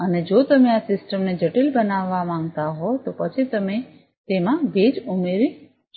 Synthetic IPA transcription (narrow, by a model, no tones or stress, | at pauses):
əned͡ʒot̪əmeasɪsʈəmned͡ʒəʈilbənaʋːamãŋɡt̪aɦot̪opət͡ʃʰit̪əme | t̪emãbʱed͡ʒumeɾi